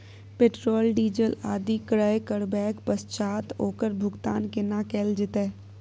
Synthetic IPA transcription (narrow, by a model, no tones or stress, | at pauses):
peʈɾoːlɖiːd͡ʒəlaːd̪ikɾəjkəɾbɛːkpəst͡ʃaːt̪oːkəɾbʱʊɡt̪aːnkɪnakɛːld͡ʒɪt̪eː